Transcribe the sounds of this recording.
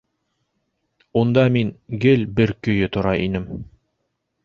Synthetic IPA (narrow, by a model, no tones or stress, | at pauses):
und̪ɑmiŋɡɘlbɘɾkɵ̆jɵt̪ŏɾɑʔinɘm